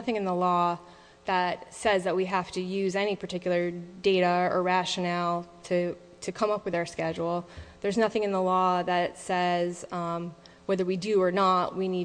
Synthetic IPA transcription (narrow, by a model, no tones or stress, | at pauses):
ʌθɪ̃ŋɨ̃nðəlɔ | ðət̚sɛzðɨt̚wiɦæftɨjʉzɛñipʰə˞tɪkjl̩ˠə˞deɪɾəə˞ɹæʃɨnɛlˠtʰɨ | ɾʰɨkʰʌ̃mʌpwɨðaʊə˞skɛd͡ʒul̩ˠðə˞znʌθɪ̃ŋɨ̃nðəlɔðɨtsɛz | wɛðə˞widɨə˞nəʔ̚wini